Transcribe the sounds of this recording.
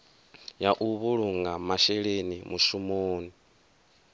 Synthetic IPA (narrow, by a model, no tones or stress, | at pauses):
jaʔuβuɺuŋɡamaʃɛɺenimuʃumoːni